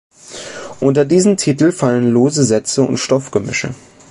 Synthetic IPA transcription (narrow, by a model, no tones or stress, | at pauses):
ʔʊntɐdiːzəm̩tʰitl̩falənloːzəzɛt͡səʊ̰ntʃtɔfɡ̥əmʏ̰ʃə̰